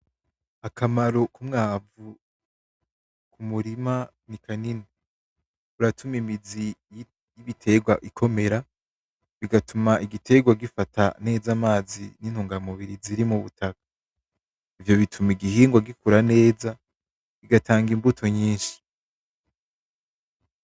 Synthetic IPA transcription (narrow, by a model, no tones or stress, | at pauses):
akʰamaɾo̞kumŋaːvu | kʰumuɾima | nikanini | uɾatʰumimizi | jiβitʰe̞ɡwa̰ʔikʰo̞me̞ɾa | βiɡatumaʔiɡitʰe̞ɡwaɡifatʰa̰ne̞ːzamaːzḭninhuːŋɡamuβiɾiziɾimuβutʰakḁ | ivjo̞βitʰumiɡihiːŋɡwaɡikuɾane̞ːza | βiɡatʰaːŋɡimbutʰo̞ɲiːnʃi̥